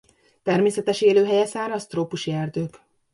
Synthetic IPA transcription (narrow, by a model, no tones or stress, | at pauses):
t̪ɛrmeːsɛt̪ɛʃeːløːɦɛjɛsaːɾɒst̪roːpuʃiɛrd̪øːk